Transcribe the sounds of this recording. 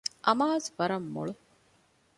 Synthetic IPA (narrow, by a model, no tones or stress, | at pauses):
ʔɐmaːzʋɐɾɐmːo̰ɭu